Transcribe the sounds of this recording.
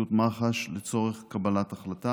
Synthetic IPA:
ut̪maχaʃlet͡so̞ʁeχkabalataχlat̪a

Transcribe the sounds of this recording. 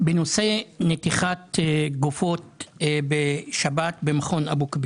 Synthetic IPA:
beno̞se̞net̪iχatɡufo̞t̚beʃabatbemaχo̞nabukbi

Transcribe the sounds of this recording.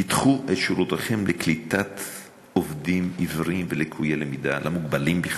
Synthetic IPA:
it̪χuʔet̪ʃuɾut̪aχe̞mlʔeklit̪at̪ | ovd̪imivʁimvelekʰujelemid̪alʔamuɡbalimbiχ

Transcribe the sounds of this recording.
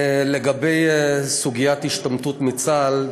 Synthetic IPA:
leɡabejsuɡijat̪hiʃt̪amt̪ut̪mit͡sal

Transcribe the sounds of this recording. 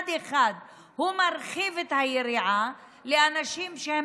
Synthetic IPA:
d̪eχad̪ | humaɾχivet̪hajeɾiʕa | leanaʃimʃehe

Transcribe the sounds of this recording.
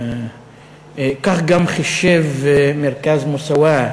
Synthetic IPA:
kaχɡamχiʃevmeʁkazmusawa

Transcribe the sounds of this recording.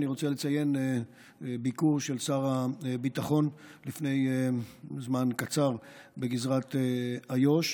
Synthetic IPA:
niʁo̞t͡selet͡saje̞n | bikuʁʃe̞lsaʁabit̪aχo̞nlifne̞j | zmankat͡saʁbeɡizʁat̪eajo̞ʃ

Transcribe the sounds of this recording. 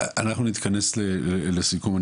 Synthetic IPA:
a̰naχnunit̪kʰane̞slelelesikuma

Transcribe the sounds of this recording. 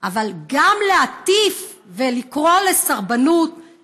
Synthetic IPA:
ʔavalɡamleat̪if | velikʁo̞le̞saʁbanut̪

